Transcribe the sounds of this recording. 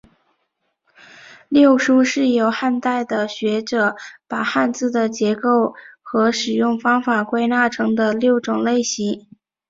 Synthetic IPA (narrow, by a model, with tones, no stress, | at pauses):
ljo˥˩ʊʂu˥ʂɻ̩˥˩jo˨˩ʊxa˥˧nt̪a˥˩ɪd̪ə˩ɕɥɛ˧˥ʈ͡ʂɤ˨˩˦pa˨˩xa˥˧nt͡sɹ̩˥˩d̪ə˩t͡ɕjɛ˧˥ko˥˩ʊxɤ˧˥ʂɻ̩˨˩jʊ˥˩ŋfɑ˥ŋfa˨˩kwe˥˧ɪna˥˩ʈ͡ʂʰɤ˧˥ŋd̪ə˧ljo˥˩ʊʈ͡ʂʊ˨˩ŋle˥˩ɪɕi˧˥